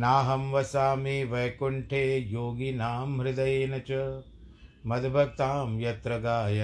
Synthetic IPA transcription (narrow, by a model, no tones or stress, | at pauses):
naːɦɐmʋɐsaːmiʋɐjɐkuɳʈʰeːjoːɡinaːmɦɾɪd̪ɐjeːnɐt͡ʃɐ | mɐd̪bʱɐkt̪aːmjɐt̪ɾɐɡaːjɐ